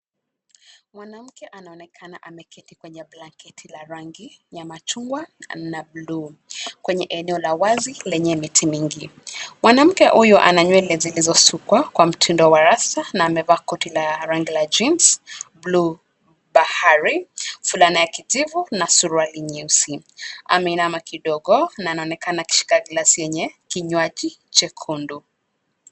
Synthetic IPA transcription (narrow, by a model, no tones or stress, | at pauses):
mwanam̩kɛʔanaɔnɛkʰanaʔamɛkʰɛtikwɛɲɛblaŋkɛtʰilaɾaŋɡiɲamat͡ʃuŋɡwanablukwɛɲɛʔɛnɛɔlawazilɛɲɛmitʰimiŋɡimwanam̩kɛhujɔʔa̰naɲwɛlɛzilizɔsukwakwam̩tʰindɔwaɾasanaːmɛvakɔtilaɾaŋɡilad͡ʒinsblu | bahaɾifulanajakizivunasuɾwaliɲisi | ʔa̰mɛinamakiɗɔɠɔnaːnaɔnɛkanaki̥ʃi̥kaɡlasijɛɲɛkiɲwaʄit͡ʃɛkʰundu